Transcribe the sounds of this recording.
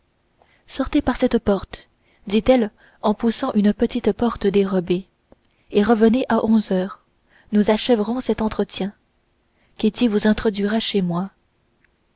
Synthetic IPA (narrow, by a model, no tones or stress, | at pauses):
sɔʁt̪epaʁsɛt̪pɔʁt̪ | d̪it̪ɛl | ɑ̃pusɑ̃ʔynəpət̪it̪pɔʁt̪əd̪eʁɔbe | eʁəvəneʔaʔɔ̃zœːʁ | nuzaʃɛvəʁɔ̃sɛt̪ɑ̃t̪χət̪jɛ̃ | kʲet̪ivuzɛ̃t̪χɔd̪ɥiʁaʃemwa